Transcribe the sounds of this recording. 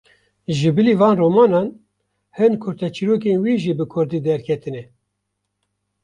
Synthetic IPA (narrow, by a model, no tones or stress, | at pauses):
ʒɨbɨliːvɑːnroːmɑːnɑːn | hɨnkʰʊɾt̪ɛt͡ʃʰiɾoːkenwiːʒiːbɨkʰʊɾd̪iːd̪ɛɾkʰɛt̪ɨnɛ